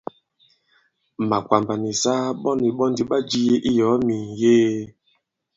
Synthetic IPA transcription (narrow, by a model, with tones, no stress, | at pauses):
ma˨kwa˨mba˨ni˨sa˦ɓɔ˦ni˨ɓɔ˦ndi˦ɓa˦d͡ʒi˦je˦ʔi˦jɔ˨˦mi˨jeː˦